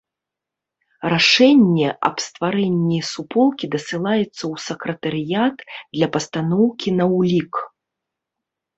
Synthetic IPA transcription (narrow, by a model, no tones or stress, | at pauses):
raʂɛnʲːɛʔɐ̰pst̪vaɾɛnʲːijsupɔlˠkʲid̪ɐsɨlˠajɛt̪sːɐwsɐkɾɐt̪ɐɾɨjat̪d̪lʲɐpɐst̪anɔwkʲinɐwlʲik